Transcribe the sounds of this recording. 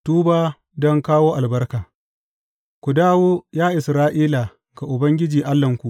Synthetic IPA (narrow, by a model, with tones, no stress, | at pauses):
tuː˦baː˦ | dɔ˦ŋkaː˦woː˦ʔa˨lbɐ˦rkaː˨ | kʷu˨daː˦woː˦jaː˦ʔɪ˨sɾaː˦ʔiː˦la˨ | ɡa˨ʔʊ˨bɐ˦ŋɡʲɪ˦d͡ʒiː˨ʔa˦lːɐ˨ŋkʷu˨ʔ